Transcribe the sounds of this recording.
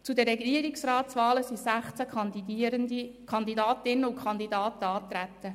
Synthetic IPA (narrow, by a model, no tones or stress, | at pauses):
t͡sudəɾːɛɡiəɾiksraːtt͡sʋɑːləsisæχt͡sæəndikʰɑnd̪idɑːtɪnəʊkχɑnd̪idɑːtəɑːt̪ɾæt̪ːə